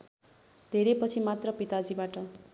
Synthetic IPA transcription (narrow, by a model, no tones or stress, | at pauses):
d̪ʱeɾepʌt͡sʰimat̪rʌpit̪ad͡zibaʈʌ